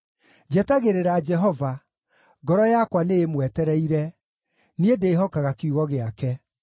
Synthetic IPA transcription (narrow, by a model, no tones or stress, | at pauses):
d͡ʒɛtaɣeɾeɾad͡ʒɛɦɔva | ɡɔɾɔjakwanejemwɛtɛɾɛiɾɛ | niedeːɦɔkaɣakeuɣɔɣeakɛ